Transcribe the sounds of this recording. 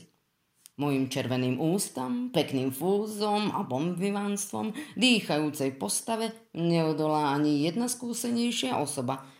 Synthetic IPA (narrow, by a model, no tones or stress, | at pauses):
mɔjimt͡ʃɛɾʋɛniːmʔuːst̪ɔmpɛkniːmfuːzɔma̰bɔmbiʋanst̪ʋɔ̰md̪iːxajuːt͡sɛjpɔst̪aʋɛ | ɲɛɔd̪ɔlaːaɲijɛd̪naskuːsɛɲɛjʃɪaʔɔsɔba